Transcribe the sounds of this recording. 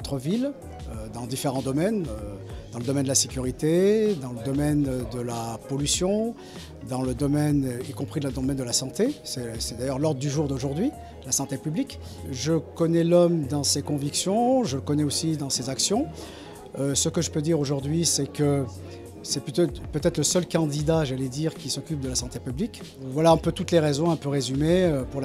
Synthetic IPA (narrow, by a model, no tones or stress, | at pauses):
t̪χəvil | ød̪ɑ̃d̪ifeʁɑ̃d̪ɔmɛnød̪̥ɑ̃ləd̪ɔmɛnd̪əlasekʲyʁit̪ed̪ɑ̃ləd̪ɔmɛnd̪əlapɔlysjɔ̃ | d̪ɑ̃ləd̪ɔmɛnikɔ̃pχid̪əlad̪ɔmɛnd̪əlasɑ̃t̪esɛsɛd̪ajœʁlɔʁd̪ʁəd̪yʒuʁd̪oʒuʁd̪ɥi | d̪̥əlasɑ̃t̪epyblik | ʒəkɔnɛlɔmd̪ɑ̃sekɔ̃viksjɔ̃ʒələkɔnɛosid̪ɑ̃sezaksjɔ̃ | øsəkəʒəpød̪iʁoʒuʁd̪ɥisɛkə | sɛpyt̪pøt̪ɛt̪χləsœlkɑ̃d̪id̪aʒalɛd̪iʁkʲisɔkʲyp̚d̪əlasɑ̃t̪epyblik | vwalaɛ̃pøt̪ut̪leʁezɔ̃ɛ̃pøʁezymeøpuʁla